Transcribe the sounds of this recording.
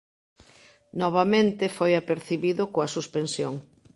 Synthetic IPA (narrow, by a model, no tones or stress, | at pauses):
nɔβ̞amẽnt̪ɪfojapeɾθiβiðʊkoasuspensjoŋ